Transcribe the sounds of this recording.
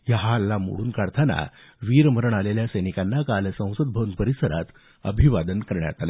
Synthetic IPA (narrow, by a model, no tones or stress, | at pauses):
jaɦalːamo̰ɽuːnkaɽt̪ʰana̰ | ʋiɾməɾəɳaleljasəjnikanːakalsə̃w̃səd̪̚bʱəuːnpəɾisəɾa̰t̪ | əbʱiʋad̪ənkəɾɳja̰t̪ale